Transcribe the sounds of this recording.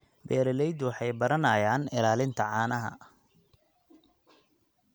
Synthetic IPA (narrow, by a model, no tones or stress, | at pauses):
bɛːɾɛlɛjd̪wɑħɑjbɐɾɐnɐːjaːnɪlaːlɪnt̪ʰɐʕɑːnɐɦɐ̰